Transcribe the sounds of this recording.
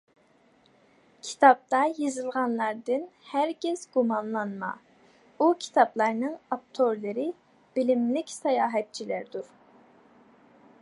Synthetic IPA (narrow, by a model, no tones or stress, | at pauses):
kʲʰi̥t̪ʰɑp̚t̪ɑjizɨlˠʁɑnlˠɑɾd̪ɨnhæɾɡʲɛz̥ɡumɑnlˠɑnmɑ̰ | ukʲʰi̥t̪ʰɑplˠɑɾnɨŋɑp̚t̪ʰoɾlˠɨɾɪ | b̥ilimlɪkʲsɑjɑːɦɛt̪̚t͡ʃʰilæɾd̪uɾ